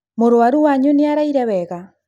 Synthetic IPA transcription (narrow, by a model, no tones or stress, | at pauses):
moɾwaɾuwaɲoneaɾaiɾɛwɛɣa